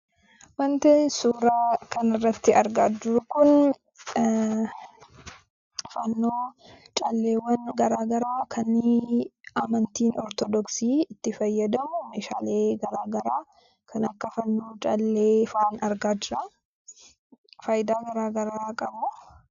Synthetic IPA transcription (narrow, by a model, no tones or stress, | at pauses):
wɐnt̪esuːɾaːkɐnɪrːɐt̪ːɪɐɾɡaːd͡ʒɪɾʊkʊn | fɐnːoːt͡ʃʼɐlːeːwɐnɡɐɾaːɡɐɾaːkʰɐnːɪ | amɐnt̪iːnɔɾt̪ɔd̪ɔksiːɪt̪ːɪfɐjːɐd̪ɐmʊmeːʃa̰ːleːɡɐɾaːɡɐɾaː | kʰɐnɐkːɐfɐnːo̞ːt͡ʃʼɐlːeːfaːnɐɾɡaːd͡ʒɪɾɐ | faːjɪd̪aːɡɐɾaːɡɐɾaːkʼɐbʊ